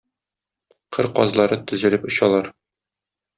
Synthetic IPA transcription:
qʰɤɾqɒ̰zlˠɑɾɤt̪ɵ̆zɘ̆lɘpŏɕɑlˠɑɾ

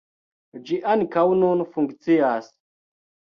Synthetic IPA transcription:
d͡ʒiʔankawnunfuŋkt͡siaːs

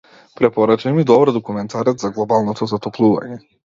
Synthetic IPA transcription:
pɾɛpɔɾat͡ʃajmid̪ɔbɾd̪ɔkumɛnt̪ʰaɾɛt̪zaɡlˠɔbalˠnɔt̪ɔzat̪ɔplˠuva̰ɲɛ

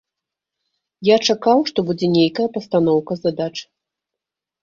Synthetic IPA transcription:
jat͡ʂakawʂt̪ɔbud͡zʲɛnʲejkɐjɐpɐst̪an̪ɔwkɐzad̪at͡ʂ

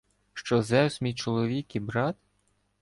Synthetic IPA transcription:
ʃt͡ʃɔzɛsmʲijt͡ʃɔlˠɔʋʲikibɾɑt̪

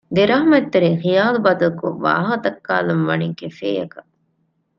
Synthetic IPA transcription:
d̪eɾɐɦmɐt̪ːeɾiŋxijaːlubɐt̪ɐluko̰ʋa̰ːɦɐt̪ɐkːaːlɐmʋɐniːkefḛːjɐkɐ

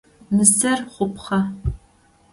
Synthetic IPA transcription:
mɨzɐrχʷʊpχɐ

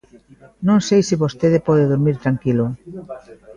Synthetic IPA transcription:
nõŋsejsiβost̪eðepɔðeðoɾmiɾt̪ɾaŋkilo

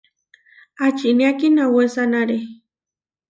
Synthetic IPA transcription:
at͡ʃiniakinawesanaɾe

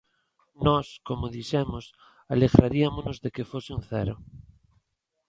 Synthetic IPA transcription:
nɔskomoðisemos | aleɣɾaɾiamonozðekefoseunθɛ̰ɾo

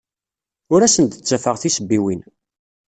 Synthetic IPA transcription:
ʊɾæsənt̪ət͡sːæfəʁθisəbːiwin

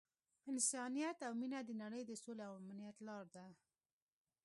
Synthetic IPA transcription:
ɪnsɑnijat̪awminad̪ənaɽəjd̪əsoleawamnijat̪lɑɾd̪a

